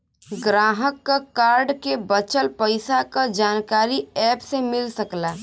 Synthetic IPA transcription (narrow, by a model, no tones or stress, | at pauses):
ɡɾaːɦəkːakaːɾɖkebət͡ʃəlpəɪsakad͡ʒaːnkaːɾiɛːpsemɪlsɐklaː